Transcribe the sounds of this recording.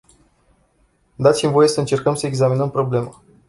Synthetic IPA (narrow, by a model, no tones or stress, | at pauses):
d̪at̪sʲimvo̞je̞səɨnt͡ʃe̞rkəmsəeɡzaminəmpɾo̞ble̞ma